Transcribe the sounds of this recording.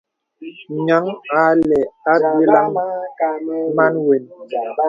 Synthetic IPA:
ɲa˨˦ŋa˦lɛ˨a˦e˦la˦ŋ | ma˦nwe˨n

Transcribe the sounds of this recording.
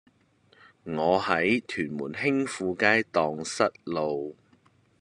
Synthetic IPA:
ŋɔː˨˧hɐ˨˥jt̪ʰyː˨˩nmuː˨˩nɦɪ˥ŋfuː˨˧kaː˥jt̪ɔː˨ŋsɐ˥t̚lo˨w

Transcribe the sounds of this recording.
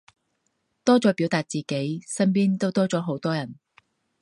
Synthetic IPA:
t̪ɔː˥t͡sɔː˨˥piː˨˥wt̪aː˨t̚t͡siː˨˩ke˨˥jsɐ˥np̬iː˥nt̪o˥wt̪ɔː˥t͡sɔː˨˥ɦo˨˥wt̪ɔː˥jɐ˨˩n

